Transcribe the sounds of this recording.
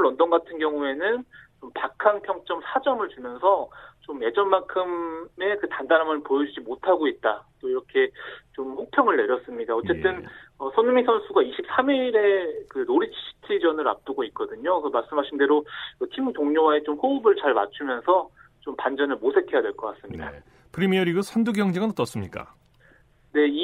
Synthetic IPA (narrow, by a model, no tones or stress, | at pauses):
ɾʌndʌnɡatʰɯnɡjʌŋue̞nɯnt͡ɕompakʰanpʰjʌŋt͡ɕ͈ʌmsʰad͡ʑʌmɯɭt͡ɕumjʌnsʰʌt͡ɕomje̞d͡ʑʌnmankʰɯme̞kɯtandaɾamɯnpojʌd͡ʑud͡ʑimotʰaɡoit̚t͈at͈oiɾʌkʰe̞t͡ɕomɸuk̚pʰjʌŋɯɭːe̞ɾjʌs͈ɯmɲidaʌt͡ɕ͈e̞t͈ɯnʌsʰʌnumisʰʌnsʰuɡaiɕʰip̚s͈amiɾe̞kɯnoɾit͡ɕʰɕʰi̥tʰid͡ʑʌnɯɾa̰p̚t͈ɯɡoit̚k͈ʌdɯɲosʰʌmaɭs͈ɯmɦaɕʰinde̞ɾokɯt͡ɕʰimtoŋɲoɦae̞t͡ɕomɸoubɯɭt͡ɕaɭma̰t͡ɕʰumjʌnsʰʌ | t͡ɕompand͡ʑʌnɯɭmosʰe̞tʰe̞jadwe̞ɭk͈ʌk͈as͈ɯmɲida̰ | pɯɾimiʌɾiɡɯsʰanduɡjʌŋd͡ʑeɡanʌt͈ʌs͈ɯmɲik͈a̰ | ne̞i